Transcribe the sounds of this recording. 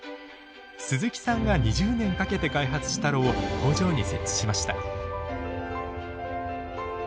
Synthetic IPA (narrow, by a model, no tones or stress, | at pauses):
sɨzɨkʲi̥sãŋɡaɲiʑɨːnẽ̞ŋkake̞t̪e̞kaiɦat͡sɨ̥ɕi̥t̪aɾo̞oko̞ːʑo̞ːɲ̟ise̞t͡ɕt͡ɕːi̥ɕimaɕi̥t̪a